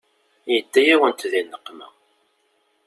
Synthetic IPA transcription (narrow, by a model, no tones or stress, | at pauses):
jət̪ːæjæwənt̪ðinːəqːmæ̰